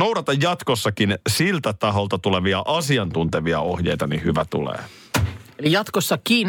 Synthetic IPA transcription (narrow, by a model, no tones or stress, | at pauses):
owdɑt̪ɑjːɑt̪kosːɑkinsilt̪æt̪ɑɦolt̪ɑt̪uleʋiɑʔɑsiɑnt̪unt̪eʋiɑohjejt̪ɑnihyʋæt̪ṵlḛː | elijɑt̪kosːɑkiːn